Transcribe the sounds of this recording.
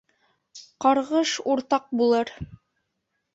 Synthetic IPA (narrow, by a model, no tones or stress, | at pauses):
qɑɾʁɤʃuɾt̪ɑq̚bulˠɤɾ